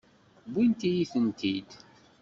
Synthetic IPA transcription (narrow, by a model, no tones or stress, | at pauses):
bint̪ijiθənt̪id̪